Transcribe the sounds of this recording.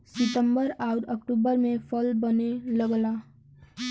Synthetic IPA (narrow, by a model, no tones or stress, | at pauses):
sɪʈ̪əmbəɾaʊʈəkʈuːbəɾmẽpʰəlbəneləɡla